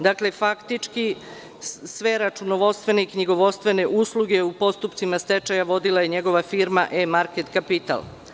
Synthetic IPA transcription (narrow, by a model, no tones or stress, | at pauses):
d̪akle̞fakt̪it͡ʃki | sʋe̞ɾat͡ʃunoʋo̞st̪ʋe̞neikɲiɡo̞ʋo̞st̪ʋe̞ne̞ʔuːslˠuɡeupo̞st̪upt̪simast̪e̞t͡ʃajaʋo̞d̪ilˠaje̞ɲeɡo̞ʋafiːɾmaʔemaɾket̪kapit̪a̰lˠ